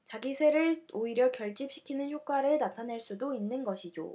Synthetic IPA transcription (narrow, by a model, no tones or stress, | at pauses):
t͡ɕaɡisʰe̞ɾɯɭoiɾjʌkjʌɭt͡ɕ͈ip̚ɕ͈ʰi̥kʰinɯnçjok͈waɾɯɭnatʰanaɭs͈udoinːɯnɡʌɕʰid͡ʑo̰